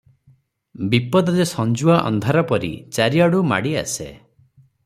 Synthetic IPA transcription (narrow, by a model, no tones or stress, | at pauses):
bipɔd̪ɔdesɔnd͡ʒuaʔɔ̰nd̪ʱaɾɔpɔɾḭt͡ʃaɾiaɽuma̰ɽia̰sḛ